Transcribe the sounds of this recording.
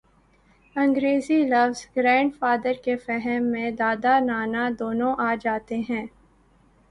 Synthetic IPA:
ɐ̃ŋɡɾeːzilɐʋz̥ɡɾɛ̃ːɳɖfaːd̪əɾkefɛɦɛmːẽd̪aːd̪anaːnad̪oːnõʔaːd͡ʒaːt̪eɦɛ̃ː

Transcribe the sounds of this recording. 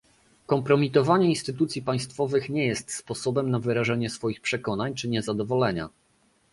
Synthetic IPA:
kɔmpɾɔmʲit̪ɔvaɲɛinst̪ɘt̪ut̪sʲjipaj̃st̪fɔvɘxɲɛjɛst̪spɔsɔbɛmnavɘɾaʐɛɲɛsfɔjixpʂɛkɔnaɲt͡ʂɘɲɛzad̪ɔvɔlɛɲa̰

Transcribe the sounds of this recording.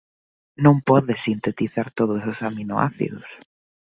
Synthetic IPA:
nõmpɔðesint̪et̪iθaɾt̪oðʊsosaminoʔa̰θḭðʊs

